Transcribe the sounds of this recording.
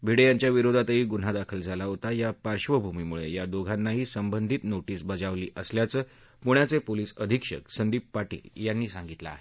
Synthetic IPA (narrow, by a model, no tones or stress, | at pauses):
bʱiɽejaɲt͡ɕjaʋiɾod̪ʱat̪əɦiːɡun̤ad̪akʰəld͡zʱalaɦot̪ajapaɾɕʋəbʱumiːmuɭḛjad̪oɡʱanːaɦiːsəmbənd̪ʱit̪noʈiːsbəd͡zaʋliːʔəsljat͡səː | puɳ̃jat͡sepoliːsəd̪ʱikʂə̰ksənd̪iːpːaʈḭːjanːiːsãŋɡit̪la̰a̰ɦe